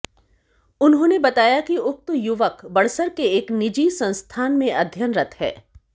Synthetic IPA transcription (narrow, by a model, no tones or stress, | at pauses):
ʊnɦõːnebɐt̪aːjakiʊk̚t̪jʊʋəkbɐɽsəɾkeeːknɪd͡ʒisɐ̃nst̪ʰaːnmẽʔɐd̪ʱjənɾɐt̪hɦɛ̰ː